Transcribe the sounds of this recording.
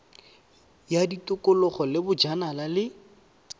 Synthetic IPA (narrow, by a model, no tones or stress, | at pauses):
jaditʊkʊlɔχɔlɪbʊd͡ʒanalalɪ